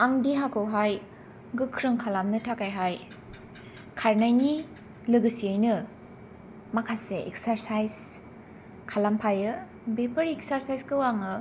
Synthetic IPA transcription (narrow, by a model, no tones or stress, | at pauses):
aŋdiɦakʰɯwɦaj | ɡɯkʰɾɯŋkʰalamnɯtʰakajɦaj | kʰaɾnajni | lɯɡɯsiajnɯ | makʰaseʔḛk̚saɾsajz | kʰalampʰajɯ | bepʰɐɾek̚saɾsajskɯwaŋɯ